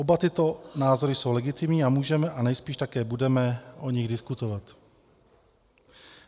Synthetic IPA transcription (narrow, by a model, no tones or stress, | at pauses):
obat̪ɪt̪o̞naːzo̞ɾɪso̞wlɛɡɪt̪ɪmɲiːamuːʒɛmɛʔanɛjspiːʃt̪akɛːbudɛmɛʔoɲɪɣdɪskut̪ovat̪